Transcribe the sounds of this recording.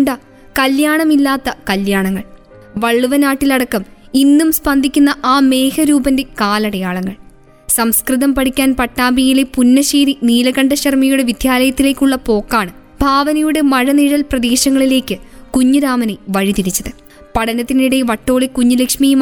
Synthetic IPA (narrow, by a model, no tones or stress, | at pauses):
ɳɖa | kɐljaːɳɐmilːaːt̪ːɐkɐljaːɳɐŋːɐɭ | ʋɐɭːuʋɐnaːʈːilɐɽɐkːɐminːumspɐnd̪ʱikʲːunːɐʔaːme̞ːhɐɾuːbɐnde̞kaːlɐɽɐjaːɭɐŋːɐɭ | sɐmskrɨðɐmpɐɽikʲːaːnpɐʈːaːmbijilepunːɐɕeːɾiniːlɐɣɐɳɖɐɕɐrmɐjuɽe̞ʋid̪ʱjaːlɐjɐt̪ːile̞ːkʲːuɭːɐpo̞ːkːaːɳɨ | bʱaːʋɐnɐjuɽe̞mɐɻɐniɻɐlprɐd̪e̞ːɕɐŋːɐɭile̞ːkʲːɨkuɲːuɾaːmɐneʋɐɻit̪iɾit͡ɕːɐðɨ | pɐɽɐnɐt̪ːiniɽeʋɐʈːo̞ːɭekuɲːulekʂmijum